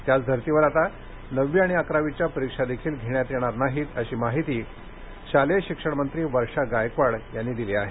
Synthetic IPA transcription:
t̪jat͡sd̪ʱəɾt̪iʋəɾat̪a | nəʋːjaɽ̃iakɾaʋit͡ɕjapəɾikʂad̪ekʰiːlɡʱeɳjat̪jɛɽ̃aɾnaɦiːt̪əɕiːmaɦit̪iː | ɕaleɕikʂəɽmənt̪ɾiːʋəɾʂaɡajkʋaɽjanːiːd̪iliaɦe

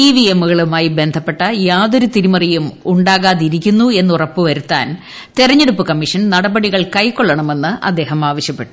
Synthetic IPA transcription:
iːʋiemːuɣɐɭumaːjibe̞nd̪ʱɐpːeʈːɐjaːðoɾut̪iɾimɐrijumuɳɖaːɣaːðiɾikʲːunːue̞nːurɐpːɨʋɐɾut̪ːa̰ːn | t̪irɐɲːe̞ɽupːɨkɐmːiʂɐnnɐɽɐbɐɽiɣɐɭkɐjkːoɭːɐɳɐme̞nːɨʔɐ̰d̪ːe̞ːɦɐmaːʋɐɕjɐpːe̞ʈːu

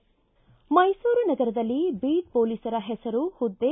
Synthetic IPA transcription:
mɐjsuːɾunɐɡɐɾɐd̪ɐlːibiːɖ̚poːlisɐɾɐɦɛsɐɾuhud̪ːe

